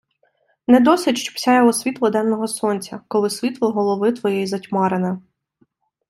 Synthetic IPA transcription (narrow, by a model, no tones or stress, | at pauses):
nɛd̪ɔsɪtʲʃt͡ʃɔ̥psʲɑjɔɦɔsʲʋʲit̪lˠɐd̪ɛnːɔɦɔsɔnʲt͡sʲɐkɔlˠɪsʲʋʲit̪lˠɐɦɔlˠɔʋɪt̪ʋɔjɛjizɐtʲmɑɾɪnɪ